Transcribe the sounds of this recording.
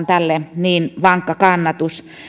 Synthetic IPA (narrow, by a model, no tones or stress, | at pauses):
nt̪ælːeniːnʋɑŋkːɑkɑnːɑt̪us